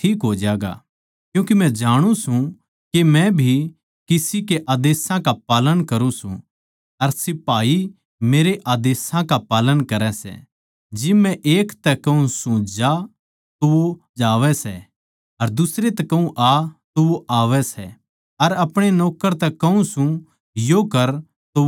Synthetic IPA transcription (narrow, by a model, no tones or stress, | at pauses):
ʈʰiːkɦoːd͡ʒaːɡa̰ | kjũːk̬imɛ̃d͡ʒaːɽ̃ũsũ | kemɛ̃bʱi | kɪsikeʔaːd̪eːsãkapaːlənkɐɾũsṵ̃ | ɐɾsɪpaːi | meːɾeʔaːd̪eːsãkapaːlənkɐɾɛsɛ̰ | d͡ʒɪmːɛ̃ʔeːkt̪ɛkɐũsʊ̃d͡ʒa | t̪oʋo | d͡ʒaːʋɛsɛ̰ | ɐɾd̪ʊsɾet̪ɛkɐũʔat̪oʋoʔaːʋɛsɛ | ɐɾɐpɽ̃enɔːkəɾt̪ɛkɐũsũ | jokɐɾ | t̪o